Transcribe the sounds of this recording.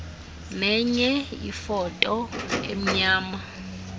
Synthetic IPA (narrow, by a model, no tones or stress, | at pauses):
nɛɲɛjḭfɔtʼɔḛm̩ɲaːma